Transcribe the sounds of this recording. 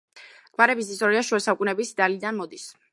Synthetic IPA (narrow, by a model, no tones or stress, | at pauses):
ɡ̥vaɾɛbisist̪ʼɔɾiaʃuɛsaukʼunɛbisd̪alid̪anmɔd̪is